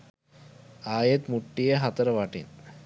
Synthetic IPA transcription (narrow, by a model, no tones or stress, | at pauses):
aːjet̪muʈːijeɦɐt̪ɐɾɐʋaʈḭn